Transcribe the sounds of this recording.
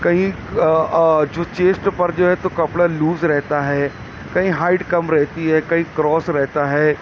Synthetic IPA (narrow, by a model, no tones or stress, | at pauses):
kɐɦĩ | d͡ʒoːt͡ʃeːsʈpɐɾd͡ʒoːɦɛt̪okɐpɽaluːzɾɛɦt̪aɦɛː | kɐɦĩɦaːɪɖkɐmɾɛɦt̪iɦɛːkɐɦĩkɾɔːsɾɛɦt̪aɦɛː